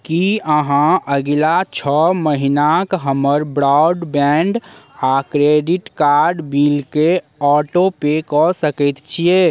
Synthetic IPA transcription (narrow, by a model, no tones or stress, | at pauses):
kiəɦãəɡlat͡ʃʰɔməɦinakɦəməɾbɾɔɖbɛɳɖakɾeɖiʈkaːɾɖbilke | ɔːʈopekɔsəkət̪t͡ʃʰie